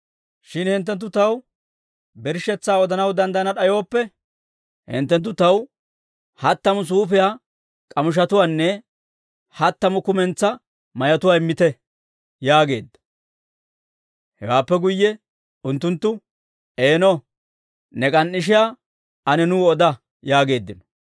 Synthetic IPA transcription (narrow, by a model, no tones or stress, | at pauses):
ʃɪnhɪnt̪ːɛnt̪̬ːʊt̪ɐw | bɛɾʃɛt͡sːaːɔd̪ɐnɐwd̪ɐnd̪ɐjɐnɐɗɐjo̞ːpːɛ | hɪ̰nt̪ːɛnt̪ːʊt̪ɐw | hɐt̪ːɐmʊs̬uːfɪjaː | kʼɐmʊʃ̬ɐt̪ʊwaːnːɛ | hɐt̪ːɐmʊkʊmɛnt͡sːɐ | mɐjɐt̪ʊwaːɪmːɪt̪ɛ | jaːɡe̞̰ːd̪ːɐ̥ | hɛwaːpːɛɡʊjːɛ | ʊnt̪ːʊnt̪ːʊ | eːnɔ | nɛkʼɐnːɪʃ̬ɪjaː | ɐnɛnuːɔd̪ɐ | jaːɡe̞ːd̪ːɪnɔ̥